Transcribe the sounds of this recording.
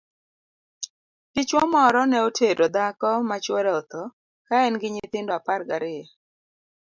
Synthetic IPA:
ɡ̥ɪt͡ʃwɔmɔɾɔnɛotʰeɾod̪akɔmat͡ʃwɔɾɛɔt̪ɔ | kaɛnɡɪɲɪt̪ɪndɔaparɡaɾɪa

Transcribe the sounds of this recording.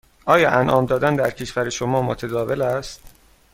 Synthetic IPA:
ʔɒːjɒːʔænʔɒːmd̪ɒːd̪ænd̪æɾcʰeʃvæɾeʃomɒːmot̪ʰed̪ɒːve̞læst̪

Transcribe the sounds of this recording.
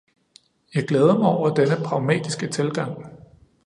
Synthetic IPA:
jɑ̈ɪɡ̥leːð̞ˠɐmaɒʊ̰ɐd̥enəpʰʁɑ̈ʊmɛ̰ːd̥isɡ̥ət͡sʰe̝lɡ̥ɑ̈ŋ̰

